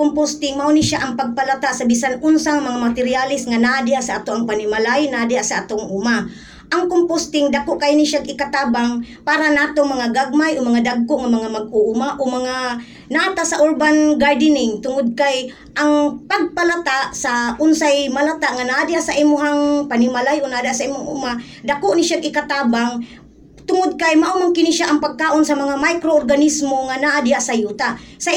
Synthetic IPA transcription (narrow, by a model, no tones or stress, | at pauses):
kompost̪ɪŋmaʔoniʃaʔaŋpaɡ̚palat̪aʔsabisanʊnsaŋmaŋamat̪ɪɾɪalɪsŋanaʔadɪhasaʔat̪oʔaŋpanɪmalajnadɪasaʔat̪oŋʔʊma | ʔaŋkompost̪ɪŋd̪akoʔkajniʃaɡɪkat̪aːbaŋ | paːɾanaːt̪oŋmɐŋaɡaɡ̚majʔomaŋad̪aɡ̚koʔŋamaŋamaɡ̚ʊʔumaʔomaŋa | nat̪asaʔoɹbanɡaɹd̪ɪnɪŋt̪ʊŋod̪̚kaj | ʔaŋpaɡ̚palat̪aʔsaʔʊnsajmalat̪aʔŋanaʔad̪ɪhasaʔiːmoɦaŋpanɪmalajʔonaʔad̪hasaʔiːmoŋʔʊma | d̪akoʔnɪʃaɡʔɪkat̪aːbaŋ | t̪ʊŋod̪̚kajmaʔumoŋkɪniʃaʔaŋpaɡ̚kaːʔonsamɐŋamajkɾoʔorɡanismoŋanaʔad̪ɪhaʔsajuːt̪asa